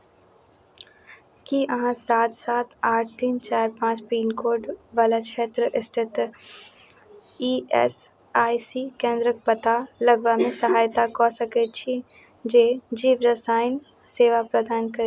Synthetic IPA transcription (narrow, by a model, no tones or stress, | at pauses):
kiʔɐɦãsaːt̪saːt̪ʰaːʈ̚ʰt̪iːnt͡ʃaːɾpãːt͡ʃpiːnkoːɾɖʋaːlakʃeːt̪ɾəʔɪst̪ʰɪt̪ | iːɛ̰s | aːisikẽːnd̪ɾək̚pət̪alɐɡʋamẽsɐɦaːjt̪akɔsɐket͡ʃʰi | d͡ʒeːd͡ʒiːʋɾəsaːɪn | seːʋapɾɐd̪aːnkɐɾe